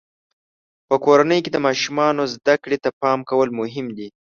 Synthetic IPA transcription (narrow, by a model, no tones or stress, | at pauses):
pəkoɾanəjked̪əmɑʃumɑnozd̪akɽet̪apɑmkawəlmʊɦɪmd̪i